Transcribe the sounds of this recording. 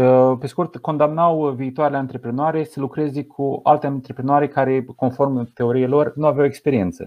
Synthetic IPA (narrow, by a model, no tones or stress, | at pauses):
pe̞skurt̪ko̞nd̪amnawviːt̪oaɾelʲeaɨnt̪ɾe̞pɾenoaɾe̞səlukɾe̞ze̞kʰua̰lt̪eant̪ɾe̞pɾenoaɾe̞kaɾe̞ko̞nfo̞rmt̪e̞o̞ɾijelo̞rnuavjawekspe̞ɾie̞nt̪sə̰